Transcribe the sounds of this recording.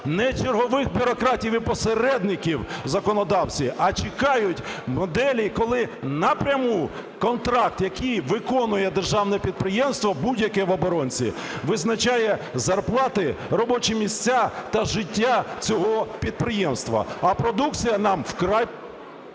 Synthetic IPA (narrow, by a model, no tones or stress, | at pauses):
nɛt͡ʃɪrɦɔʋɪxbʲʊɾɔkɾɑtʲiwipɔseɾɛd̪nɪkʲiwzɐkɔnɔd̪ɑwt͡sʲiʔɐt͡ʃɪkɑjʊtʲmɔd̪ɛlʲikɔlˠɪnɐpɾʲɐmu | kɔnt̪ɾɑk̚t̪jɐkijʋɪkɔnʊjɛd̪erʒɑwnɛpʲid̪̚pɾɪjɛmst̪ʋɐbudʲjɐkɛʋɔbɔɾɔnʲt͡sʲḭʋɪznɐt͡ʃajɛzɐrplˠɑt̪ɪɾɔbɔt͡ʃimʲisʲt͡sʲːat̪ɐʒɪtʲːat͡sʲɔɦɔpʲid̪̚pɾɪjɛmst̪ʋɐ̰ɐpɾɔd̪ukt͡sʲijɐnɑmwkɾɑj